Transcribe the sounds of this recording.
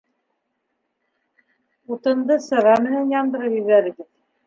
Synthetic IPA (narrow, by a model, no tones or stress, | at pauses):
ut̪ɤ̆nd̪ɤsɤ̆ʁɑmɘ̆nænjɑnd̪ɤ̆ɾɤpjɵ̆ðæðɘ̆ɡɘð